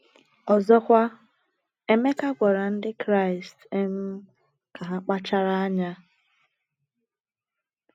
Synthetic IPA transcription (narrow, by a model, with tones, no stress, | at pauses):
ɔ˨zɔ˦kʷa˦ | e˦me˦ka˦ɡʷa˨ɾa˨n̩˦dɪ˦kɾa˦˨ɪ˨ste˦m̩˦ | ka˨ɦa˦k͡pa˦t͡ʃa˦ɾa˦a˦ɲa˦